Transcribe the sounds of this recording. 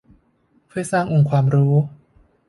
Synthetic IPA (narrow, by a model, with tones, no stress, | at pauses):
kʰɯː˥˩jsaː˥˩ŋʔo˧˩ŋkʰwaː˧mɾuː˦˥